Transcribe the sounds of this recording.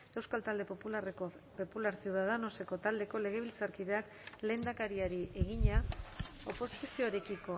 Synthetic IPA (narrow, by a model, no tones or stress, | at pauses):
e̞wskalt̪ald̪e̞populareko | populaɾsiewðað̞ano̞se̞ko̞t̪ald̪e̞ko̞le̞ɣ̞e̞β̞ilt͡saɾkiðe̞ak | le̞ːnd̪akaɾiaɾiʔe̞ɣiɲao̞po̞sisio̞ɾe̞kiko̞